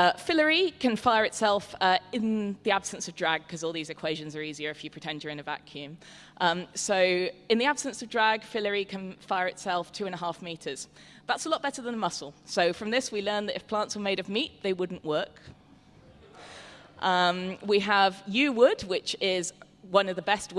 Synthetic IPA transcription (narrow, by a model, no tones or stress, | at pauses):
fɪləɹikʰə̃nfaɪəɹɨtsɛlˠfʌɪ̃nðiab̥sə̃nsəvdɹaɡ̚kʰʌzɔːlˠðizɨkʰw̥eɪʒɨ̃nzə˞iːziə˞ɨfjɨpʰɹ̥ɨtʰɛ̃nd͡ʒjə˞ɨ̃ñəva̰kʰjʉ̃m | ʔʌ̃msoʊɪ̃nðiab̥sə̃nsəvdɹaɡ̥fɪləɹikʰə̃nfaɪəɹɨtsɛlˠftʰʉːə̃nəɦɑˑfmiˑtʰəz̥ | ðatsəlɔʔ̚b̥ɛɾəðə̃nəmʌsl̩ˠsoʊfɹʌ̃mðɪswilɜ̃˞nðəɾɪfpʰl̥ɑ̃ˑntswə˞meɪɾʌvmiˑʔðeɪwʊdⁿn̩ʔwɜˑk | ʔʌ̃mwiəvjʉwʊdwɪt͡ʃɪz | wʌ̃nʌvðəbɛst̚